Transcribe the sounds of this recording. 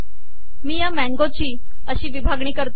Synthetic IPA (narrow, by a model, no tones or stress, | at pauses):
miːjamɛ̃ŋɡot͡ɕiː | əɕiːʋibʱaɡɳ̃iːkəɾt̪